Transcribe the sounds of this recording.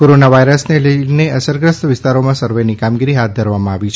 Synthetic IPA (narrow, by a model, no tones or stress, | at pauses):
koɾonaʋaiɾəsneləneəsəɾɡɾəst̪ʋɪst̪aɾomãsəɾʋenikamɡiɾiɦat̪̚d̪ʱəɾʋamãaʋit͡ʃʰ